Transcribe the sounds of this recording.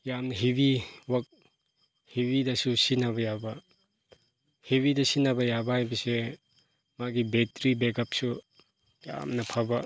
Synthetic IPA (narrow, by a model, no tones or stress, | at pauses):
jamnɐɦibiwɐk̚ | hibidɐsusinabɐjabɐ | hebidɐsinabɐjabɐɦajbɐse | maɡibetɾibekɐp̚su | ja̰mnɐpʰabɐ